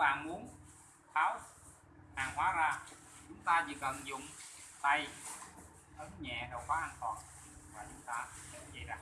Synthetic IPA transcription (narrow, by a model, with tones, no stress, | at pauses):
ɓa̰ː˧˨nmu˨˦ən | xaː˨˦w | haː˨˩ŋhwaː˨˦zaː˧ | t͡ɕʊ˨˦ŋ͡mt̪aː˧t͡ɕḭ˧˨kə˨˩nzʊ̰˧˨ŋ͡mt̪a˧j | ʔə˨˦nɲɛ̰˧˨ɗə˨˩wxwaː˨˦ʔaː˧nt̪wɔ̰ː˨˩n | maː˨˩t͡ɕʊ˨˦ŋ͡mt̪aː˧sɛ̰˧˥t͡ɕə˧˩jzaː˧˩